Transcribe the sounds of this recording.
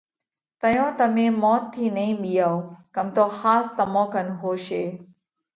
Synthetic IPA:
t̪əjõːt̪əmẽːmɔːt̪ʰːiːnəĩːɓijaːokəmt̪oːhaːst̪əmõːkənɦoːʃeː

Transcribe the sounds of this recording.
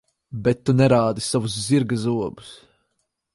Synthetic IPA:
bɛt̪ːunɛɾaːd̪isavusziɾɡazuɔbu̥s

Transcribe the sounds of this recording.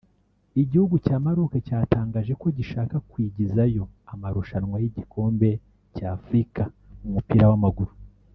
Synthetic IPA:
iɟihuɡucaːmaɾokacaːtaːŋɡaːʒe̞ko̞ɟiʃaːkakwiːɟizajo̞amaɾuʃanŋwajiɟikʰo̞ːmbe̞ | caːfɾika | umupiːɾawamaɡuɾu

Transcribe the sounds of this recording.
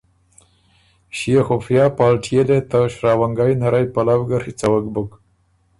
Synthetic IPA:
ʃijexofjɑːpɑːlʈʰijelet̪aʃɾɑːwaŋɡajnaɾajpalawɡaɾxit͡sawakbuk

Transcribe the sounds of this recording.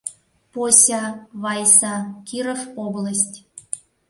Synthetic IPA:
posʲɑβɑjsɑkʲiɾofoblasʲtʲ

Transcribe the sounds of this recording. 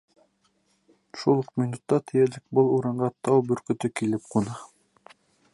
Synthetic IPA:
ʃulˠɤqminut̪ːɑt̪ʰɘ̆jælɘk̚bɤlˠuɾɑɴɢɑt̪ɑwbɵ̆ɾkɵ̆t̪ɵkilɘp̚qunɑ

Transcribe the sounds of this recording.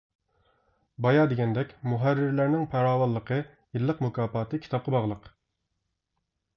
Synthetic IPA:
bɑjɑːd̪eɡʲɛnd̪ɛkʲmuɦærːɪɾlæɾnɪŋpʰæɾɑːwɑlˠːəqʰə | jilˠːəqmukʰɑːpɑːt̪ʰɨkʲʰi̥t̪ʰɑp̚qʰɑbɑʁlˠəq

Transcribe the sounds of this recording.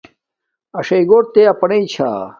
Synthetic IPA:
ɐʂɐjɡoːɾt̪eɐpɐneit͡ɕʰa̰

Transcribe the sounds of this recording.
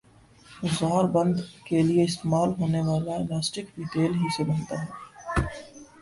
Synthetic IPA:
ʊzaːɾbɐ̃nd̪kelieɪst̪eːmaːlɦoːneʋaːlaelaːsʈɪkʋit̪eːlɦisebɐnt̪aɦɛː

